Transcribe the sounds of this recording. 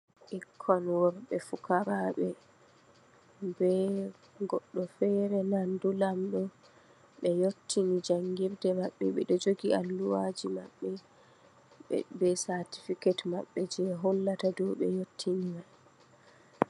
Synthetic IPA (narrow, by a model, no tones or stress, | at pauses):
ʔikʰːɔnwɔɾɓɛfukaɾaɓɛ | bɛ | ɡɔɗːɔfɛɾɛnandulamɗɔ | ɓɛjotːinid͡ʒaŋɡiɾdɛmaɓːɛ̰ɓɛ̰ɗɔd͡ʒoɡiʔalːuwad͡ʒimaɓːɛ | bɛsaɾti̥fiketma̰ɓːɛd͡ʒɛɦɔlːatadɔɓɛ̰jotʰːinima